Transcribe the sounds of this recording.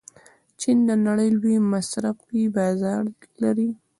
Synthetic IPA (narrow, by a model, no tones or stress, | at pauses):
t͡ʃind̪ənaɽəjlwemasɾafibɑzɑɾlaɾi